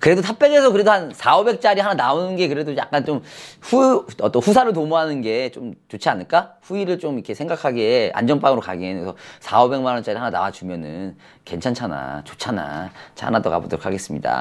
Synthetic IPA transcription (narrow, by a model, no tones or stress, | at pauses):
kɯɾe̞dotʰap̚p͈eɡesʰʌkɯɾe̞dohansʰaobe̞k̚t͡ɕ͈aɾihananaonɯnɡe̞kɯɾe̞doja̰k̚k͈ant͡ɕomɸuʌt͈ʌɸusʰaɾɯɭtomuɦanɯnɡe̞t͡ɕomt͡ɕot͡ɕʰianɯɭk͈aɸuiɾɯɭt͡ɕomikʰe̞sʰeŋɡakʰaɡe̞a̰nd͡ʑʌnp͈aŋɯɾoka̰ɡienɯsʰʌsʰaobe̞ŋmanʌnt͡ɕ͈aɾihanana̰wat͡ɕumjʌnɯn | ke̞nt͡ɕʰant͡ɕʰana̰t͡ɕo̥t͡ɕʰana̰t͡ɕʰa̰nadoka̰bodɯɾokʰaɡe̞s͈ɯmɲida̰